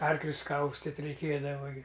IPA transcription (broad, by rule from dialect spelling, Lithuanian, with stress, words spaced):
ˈɐrklʲʊs ˈkɐʊsʲtʲɪtʲ rʲɛɪˈkʲeːdɐʋɐ ɡʲɪ